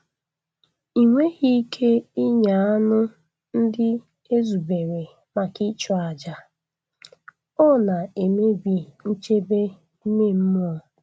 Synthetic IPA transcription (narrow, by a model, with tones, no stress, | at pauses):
i˨ŋʷe˦ɣi˦kʰe˦i˦ɲa˨a˦nʊ˦ | n̩˦dɪ˦ | e˦zu˨be˨ɾe˨ | ma˨ki˦t͡ʃɔ˦a˨d͡ʒa˨ | ɔ˦na˨e˨me˦bi˨n̩˦t͡ʃe˦be˦ | me˦˨m̩˦m˦ɔ˨